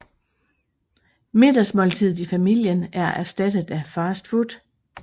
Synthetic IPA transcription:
me̝d̥ɐsmɒ̽lt͡sʰið̞̰̩ˠifæmil̰jənæɐʔæɐsd̥æd̥əð̩ˠæfɑːsd̥fud̥

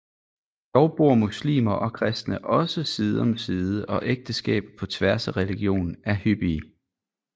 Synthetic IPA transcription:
d̥ɒʊb̥o̝ɐ̰muslḭːmɐʔɒ̽kʰʁɛsd̥nəʔɒ̽səsiðˠɒ̽msiːðˠəʔɒ̽ʔeɡ̥̚d̥əsɡ̥ɛ̰ːb̥pʰɒ̽t͡sʰʋæɐsæʁɛliɡ̥jo̝̰ːnn̩æɐhyb̥i

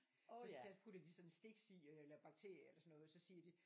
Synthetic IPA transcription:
sɒd̥æpʰud̥ɐd̥isɒ̽nsd̥e̝ɡ̥sieelɐb̥ɑ̈ɡ̥̚t͡sʰe̝̰ɐ̰jɐelɐsɒ̽nːɔ̽ːð̩ˠsɒ̽siːɐd̥i

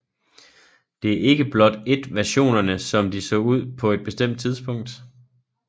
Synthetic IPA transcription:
d̥e̝æɐʔe̝ɡ̥əb̥lɒ̽d̥e̝d̥ʋæɐɕo̝̰ːnɐnəsɒ̽md̥isɔ̰̽ːuð̞̰ˠpʰɒ̽e̝d̥̚b̥e̝sd̥em̰d̥̚t͡sʰið̞ˠsb̥ɔ̽ŋ̰d̥

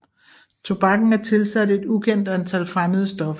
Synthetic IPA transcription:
t͡sʰo̝b̥ɑ̈ɡ̥n̩æɐt͡sʰe̝lsæd̥e̝d̥ukʰen̰d̥ænt͡sʰælfʁaməðˠəsd̥ɒ̽fɐ

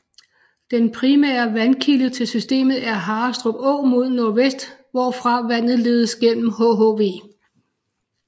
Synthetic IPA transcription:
d̥enpʰʁimɛ̰ːɐʋænkʰilət͡sʰe̝lsysd̥e̝̰ːmð̩ˠæɐɦɑ̈ːsd̥ʁob̥ɔ̰̽ːmo̝ð̞ˠnoɐʋesd̥ʋɒːfʁɑ̈ʋæn̰ð̩ˠle̝ːð̞ˠəsɡ̥en̰m̩hoɦoʋe̝̰ː

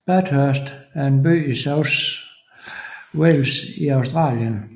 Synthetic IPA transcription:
b̥æd̥høɐsd̥æɐe̝nby̰ːisoʊs | welsiɑ̈ʊsd̥ʁɑ̰̈ːljən

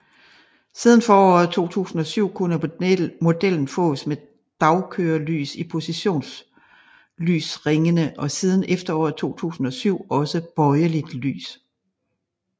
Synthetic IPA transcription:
siːð̞ˠn̩fɒːɒ̰ð̩ˠt͡sʰo̝̰ːt͡sʰṵːsn̩ɒ̽syʊ̰kʰunəomo̝d̥el̰n̩fɔ̰̽ːsme | d̥ɑ̈ʊkʰøːɐly̰ːsipʰo̝siɕo̝̰ːns | ly̰ːsʁeŋənəʔɒ̽siːð̞ˠən̩ʔefd̥ɐɒ̰ːð̩ˠt͡sʰo̝̰ːt͡sʰṵːsn̩ɒ̽syʊ̰ɒ̽səb̥ɒ̽ɪɐlid̥ly̰ːs

